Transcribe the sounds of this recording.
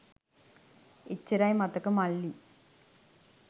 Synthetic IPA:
ɪt͡ʃːiɾajmɐt̪ːɯkːɯmɐɭːi

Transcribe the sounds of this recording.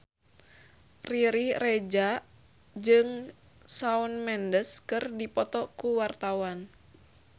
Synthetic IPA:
riɾiɾɛd͡ʒa | d͡ʒɨŋ | saunmɛndəskɨrdipɔt̪ɔkuwart̪awan

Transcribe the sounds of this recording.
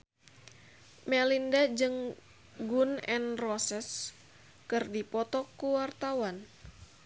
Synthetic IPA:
mɛlindad͡ʒɨŋ | ɡunɛnrɔsɛs | kɨrdipɔt̪ɔkuwart̪awan

